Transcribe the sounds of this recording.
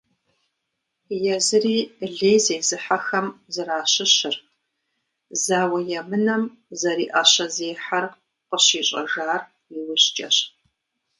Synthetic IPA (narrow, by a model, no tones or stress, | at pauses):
jɛzɨriːɮeːjzejzɨħaxɐmzɨraːɕɪɕɪr | zaːwɐjɛmɨnɐm | zɐɾiːʔɐɕɐzeːħar | qəɕiːɕʼɐ̰ʒaːr | iwʊɕt͡ʃʼɐɕ